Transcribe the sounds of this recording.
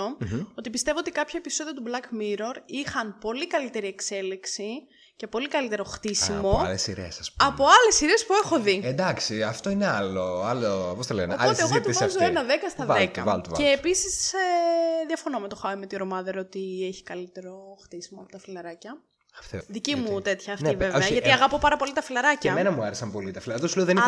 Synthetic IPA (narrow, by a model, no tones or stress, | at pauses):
oo̞t̪ipist̪e̞voot̪ikɐpçɐepiso̞ðiɐt̪ublɐkmiɾo̞ɾixɐnpo̞likɐlit̪e̞ɾie̞kse̞liksi | cepo̞likɐlit̪e̞ɾo̞xt̪isimo̞ɐ̰lesiɾḛsɐspuɐpo̞ɐle̞siɾe̞ːspue̞xo̞ðiend̪ɐksiɐft̪o̞ineɐloɐlopost̪ɐlenoɐlt̪ezt̪uvɐzoenɐðekɐst̪ɐðekɐvɐ̰lt̪ːeːpisiseðiɐfonomet̪oxɐimet̪ioɾomɐðɐɾot̪ieçi̥kɐlit̪e̞ɾo̞xt̪isimoɐpo̞t̪ɐfilɐɾɐcɐ | ɐft̪eðicimut̪e̞t̪çɐːfniveveɐʝɐt̪iɐɣɐpo̞pɐɾɐpo̞lit̪ɐfilɐɾɐceɐmenɐmuɐɾesɐmpo̞lit̪ɐfilɐɾt̪osuleoðen